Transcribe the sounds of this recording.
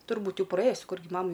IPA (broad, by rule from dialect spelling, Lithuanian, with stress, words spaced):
tʊrˈbuːt ˈjɛʊ prɐˈeːjʊs ˈkʊrʲɡʲɪ ˈmɑːmɐɪ